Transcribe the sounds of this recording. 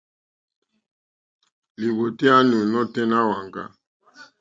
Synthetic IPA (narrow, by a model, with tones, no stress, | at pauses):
li˨βo˨ti˦a˦nu˨nɔ˦tɛ˦na˦wa˨ŋɡa̰˦